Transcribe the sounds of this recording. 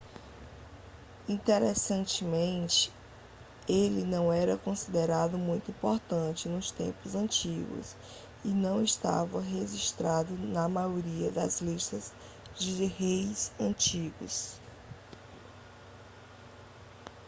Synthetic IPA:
ĩt̪eɾɛsɐ̃nt͡ʃɪmẽnt͡ʃɪ̥ | elɪnɐ̃w̃ɛɾɐkõsid̪eɾad̪ʊmũj̃t̪ʊĩpoɾt̪ɐ̃nt͡ʃɪnʊst̪ḛ̃pʊzɐ̃nt͡ʃiɡʊ̰s | ɪnɐ̃w̃ɪst̪a̰vɐɦeʒiʃt̪ɾad̪ʊnɐmajoɾiɐd̪ɐzliʃt̪ɐz | d͡ʒɪhejzɐ̃t͡ʃiɡʊ̰s

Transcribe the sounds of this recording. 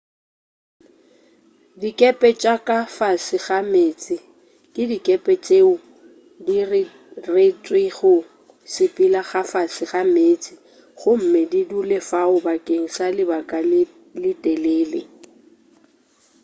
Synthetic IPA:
dikʼɛpʼɛt͡ʃʼakʼafasɪɣameːt͡sʼɪ | kʼɪdikʼɛpʼɛt͡ʃʼeʊ | dirɪ | ret͡sʼweχʊ | sɪpʼilaχafasɪχameːt͡sʼɪ | χʊm̩mɪdidulefaʊbakʼeŋ̩salɪbakʼalɪ | lɪtʼeleːlḛ

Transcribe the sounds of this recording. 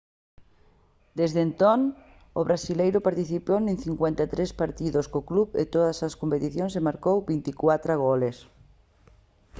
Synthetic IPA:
d̪ezðent̪on | oβɾasilejɾopaɾt̪iθiponẽnθiŋkwent̪at̪ɾespaɾt̪iðoskoklupḛt̪oðasaskompet̪iθjõnsemaɾkowbint̪ikwat̪ɾaɣ̞oles

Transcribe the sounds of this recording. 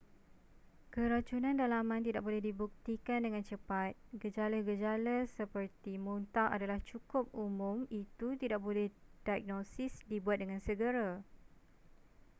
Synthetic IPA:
kəɾat͡ʃunãndalamãnt̪idaʔ̚bolɛhdibuk̚t̪ikandəŋãnt͡ʃəpat̪̚ɡəd͡ʒalaɡəd͡ʒalasəpərt̪imunt̪aadalaht͡ʃukʊp̚umʊ̃mit̪ut̪idaʔ̚bolɛhdajk̚nosɪsdibuat̪̚dəŋãnsəɡəɾa

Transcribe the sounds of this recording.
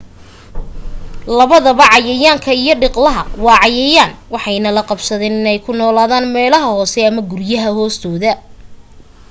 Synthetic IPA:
lɐβɐðɐβɐʕɑjɛjaːŋkʰɐijɞɖɪqlɐɦɐwɑːʕɑjɛjaːnwɑħɑjnɐlɐqɑbsɐðɛːnɪnɛjkʰʊnɔːlaːðaːnmɛːlɐɦɐhɔːsɛɐmɐɡʊrjɐɦɐhɔːst̪ʰɔːðɐ

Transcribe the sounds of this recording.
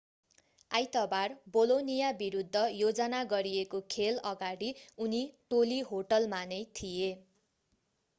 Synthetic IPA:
ajt̪ʌbarbolonijabiɾud̪ʱːʌjod͡zʌnaɡʌɾijekokʰelʌɡaɽiuniʈoliɦoʈʌlmanʌjt̪ʰije

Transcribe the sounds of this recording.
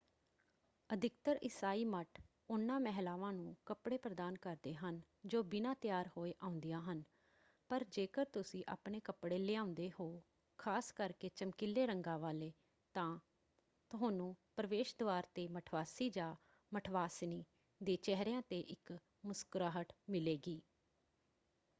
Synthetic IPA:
əd̪ʱɪkt̪əɾʔɪsaːiːməʈʰ | ʊnːãːmɛɦlaːʋãːnũːkəpɽeːpɾəd̪aːnkəɾd̪eːɦən | d͡ʒoːbɪnãːt̪ɪjaːɾhoːeːʔãːʊ̃nd̪ijãːɦən | pəɾd͡ʒeːkəɾt̪ʊsĩːʔa̰ːpɳeːkəpɽeːleãːʊnd̪eːɦoː | kʰaːskəɾkeːt͡ʃəmkɪlːeːɾəŋɡãːʋaːleː | t̪ãː | t̪ʊɦoːnũːpɾəʋeːʃd̪oaːɾt̪eːməʈʰʋaːsiːd͡ʒaː | məʈʰʋaːsniː | d̪eːt͡ʃɛɦɾjãːt̪eːʔɪk | mʊskɾaːɦəʈmɪleːɡiː

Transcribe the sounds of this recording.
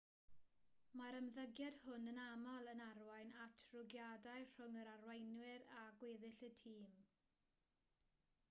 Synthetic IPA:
maɾəmðəɡjad̥hʊnənamɔlˠənarwajnatʰrʊɡjadajr̥ʊŋəɾarwejnwɪɾaɡweːðɪɬətʰiːm

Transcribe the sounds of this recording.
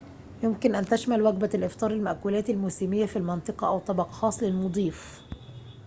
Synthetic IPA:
jʊmkɪnʔænt̪æʃmælwæɡbælʔɪft̪ˤɑːɾˤɪlmaʔkuːlæːt̪ɪlmuːsiːmɪjːæfilmɑnt̪ˤɨqɑʔawt̪ˤːɑbɑqxɑːsˤlɪlmod̪ˤiːf

